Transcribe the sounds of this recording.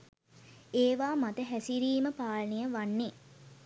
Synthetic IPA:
eːʋaːmat̪əɦæsiɾiːməpaːlənijəʋanːe

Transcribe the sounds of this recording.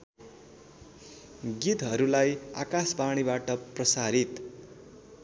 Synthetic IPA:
ɡit̪ɦʌɾulaja̰kaspaɽ̃ibaʈʌprʌsaɾit̪

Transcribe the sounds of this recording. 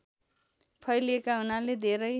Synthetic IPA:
pʰʌjliekaɦunaled̪ʱeɾʌj

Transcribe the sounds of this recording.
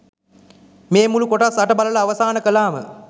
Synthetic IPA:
meːmulukoʈasaʈəbalələaʋəsaːnəkəlaːmə̰

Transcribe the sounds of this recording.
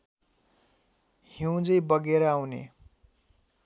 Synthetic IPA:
hiw̃d͡zʌjbʌɡeɾʌawnḛ

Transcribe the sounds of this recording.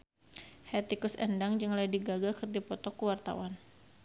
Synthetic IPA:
hɛt̪ikusɛndaŋd͡ʒəŋladiɡaɡakɨrd͡ʒapɔt̪ɔkuwart̪a̰wan

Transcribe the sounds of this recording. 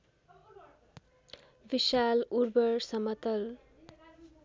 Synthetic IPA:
biʃaluɾbʌrsʌmʌt̪ʌl

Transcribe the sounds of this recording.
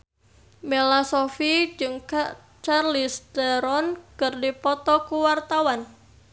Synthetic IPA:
melasɔfid͡ʒɨŋka | t͡ʃarlisdaɾɔnkɨrdipɔt̪ɔkuwart̪awan

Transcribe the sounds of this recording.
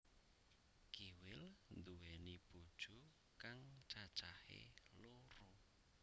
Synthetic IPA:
kiwɪlnd̪uɛnib̥ud̥ʒ̥ṳ | kaŋt͡ʃḁt͡ʃahḛloɾo

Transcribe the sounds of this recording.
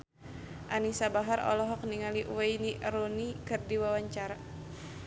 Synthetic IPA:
ʔanisabaɦaɾɔ̰lɔɦɔk̚niŋaliʔwajniɾunikɨrdiwawaɲt͡ʃaɾa

